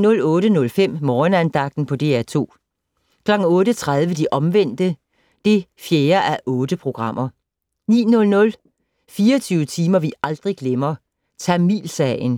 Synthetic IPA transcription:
nɔ̽lɔ̽ːɾənɔ̽lfem̰mɒːnænd̥ɑ̈ɡ̥̚d̥n̩pʰɒ̽d̥e̝̰ːæt͡sʰo̝̰ː | kʰlɒ̽ɡ̥ŋ̩ɔ̽ːɾət͡sʰʁaðˠʋəd̥iʔɒ̽mʋen̰d̥ə | d̥e̝fjeːɐʔæʔɔ̽ːd̥əpʰʁo̝ɡ̥ʁɑ̈m̰ʔɐ | nḭːnɔ̽lnɔ̽l | fiːɐt͡sʰyːʊət͡sʰiːmɐʋiɑ̈ld̥ʁiɡ̥lemɐ | t͡sʰæmḭːlsɛɪn

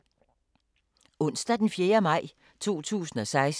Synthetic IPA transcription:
ɔ̽n̰sd̥æd̥enfjeːɐmɑ̈ɪ̰ | t͡sʰo̝̰ːt͡sʰṵːsn̩ɒ̽sɑ̈ɪs

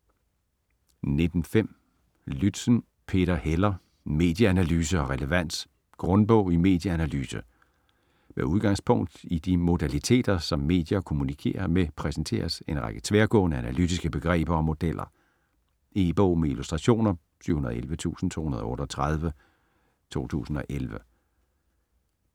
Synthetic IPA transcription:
ne̝d̥n̩fem̰ | lyd̥sn̩ | pʰe̝ːɾ̥ɐhelɐ | me̝̰ːd̥jəænælyːs̬əɒ̽ʁɛləʋæn̰d̥ | ɡ̥ʁɔ̽nb̥ɔ̽ʊ̰ime̝̰ːd̥jəænælyːsə | meuð̞ˠɡ̥ɑ̈ŋ̰spʰɔ̽ŋ̰d̥id̥imo̝d̥ælit͡sʰe̝̰ːd̥ɐsɒ̽mːe̝̰ːd̥jɐkʰo̝munikʰe̝̰ːɐmepʰʁɛsn̩t͡sʰe̝̰ːɐse̝nʁaɡ̥ə̥t͡sʰʋeːɐɡ̥ɔ̰̽ːnəænælydisɡ̥əb̥e̝ɡ̥ʁɛ̰ːb̥ɐɒ̽mo̝d̥elʔɐ̰ | e̝ːb̥ɔʊ̰meilusd̥ʁɑɕo̝̰ːnɐ | sʰy̰hunɐðˠelʋət͡sʰṵːsn̩t͡sʰo̝̰ːhunɐð̩ˠɔ̽ːɾɐɒt͡sʰʁað̞ˠʋə | t͡sʰo̝̰ːt͡sʰṵːsn̩ɒ̽ʔelʋə

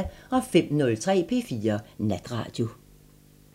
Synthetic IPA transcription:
ɒ̽fem̰nɔ̽lt͡sʰʁɛ̰ːpʰe̝̰ːfiːɐnæd̥ʁɑ̰̈ːd̥jo̝

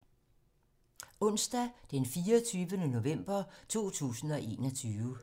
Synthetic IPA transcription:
ɔ̽n̰sd̥æd̥enfiːɒt͡sʰyːʋənəno̝ʋem̰b̥ɐt͡sʰo̝̰ːt͡sʰṵːsn̩ɒ̽ʔe̝̰ːnɒ̽t͡sʰyːʋə

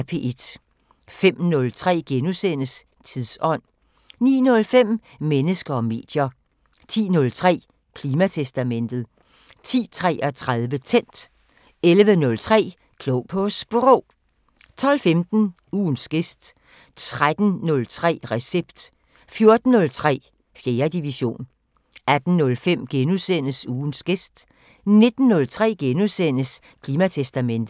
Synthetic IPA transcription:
pʰe̝ːʔe̝d̥ | fem̰nɔ̽lt͡sʰʁɛ̰ːɡ̥enusen̰əs | t͡sʰiðˠsɒ̽n̰ | nḭːnɔ̽lfem̰ | menəsɡ̥ɐɒ̽me̝̰ːd̥jɐ | t͡sʰḭːnɔ̽lt͡sʰʁɛ̰ː | kʰliːmæt͡sʰesd̥æmen̰d̥ð̞̩ˠ | t͡sʰḭːt͡sʰʁɛ̰ːʔɒt͡sʰʁað̞ˠʋət͡sʰen̰d̥ | elʋənɔ̽lt͡sʰʁɛ̰ː | kʰloʊpʰosb̥uʁo | t͡sʰɒ̽l̰femd̥n̩ | uːnsɡ̥e̝sd̥ | t͡sʰʁad̥n̩nɔ̽lt͡sʰʁɛ̰ːʁɛseb̥d̥ | fjo̝ɐd̥n̩ːɔ̽lt͡sʰʁɛ̰ː | fjeːɐd̥iʋiɕo̝̰ːn | æd̥n̩nɔ̽lfem̰ɡ̥enusen̰əsuːnsɡ̥e̝sd̥ | ne̝d̥n̩ːɔ̽lt͡sʰʁɛ̰ːɡ̥enusen̰əs | kʰliːmæt͡sʰesd̥æmen̰d̥̩ˠ

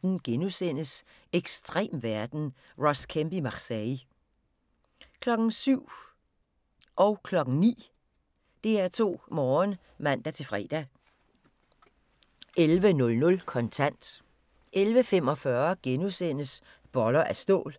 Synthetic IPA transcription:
n̩ɡ̥enusen̰əs | eɡ̥sd̥ʁḛːmʋæɐd̥n̩ | ʁɒskʰemb̥imɑ̈ʁsɛ | kʰlɒ̽ɡ̥n̩syʊ̰ | ʔɒ̽ʊkʰlɒ̽ɡ̥n̩nḭː | d̥e̝æɐt͡sʰo̝̰ːmɒːn | mæn̰d̥æt͡sʰe̝lfʁɛ̰ːd̥æ | elʋənɔ̽lnɔ̽lkʰɒ̽nt͡sʰæn̰d̥ | ʔelʋəfemɒ̽fɶɐɡ̥enusen̰əs | b̥ɒ̽lɐʔæsd̥o̝̰̽ːl

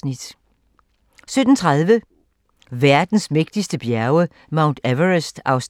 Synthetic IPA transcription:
nid̥ | sød̥n̩t͡sʰʁɑðˠʋə | ʋæɐd̥n̩smeɡ̥d̥isd̥əb̥jæɐʊə | mɑ̈ʊnd̥æʋəʁəsd̥ɑ̈ʊs

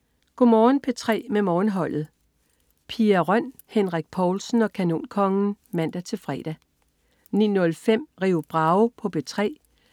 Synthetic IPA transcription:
ɡ̥o̝mɒːnpʰe̝t͡sʰʁɛ̰ːmemɒːnɦɒ̽l̰ð̩ˠ | pʰiæʁɶn̰ | henʁaɡ̥̚pʰɒːlsn̩ɒ̽kʰæno̝̰ːnkʰɒ̽ŋn̩mæn̰d̥æt͡sʰe̝fʁɛ̰ːd̥æ | nḭːnɔ̽lfem̰ʁiːʊb̥ʁɑ̈ʊpʰɒ̽b̥e̝t͡sʰʁɛ̰ː

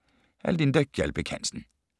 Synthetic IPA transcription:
æ̰ld̪ind̪œɡjɛlb̥əkʰænsn̩

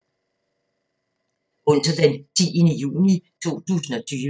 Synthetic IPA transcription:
ɔ̽n̰sɐd̥ent͡sʰḭːənəjṵːnit͡sʰo̝̰ːt͡sʰṵːsn̩ɒ̽t͡sʰyːʋ

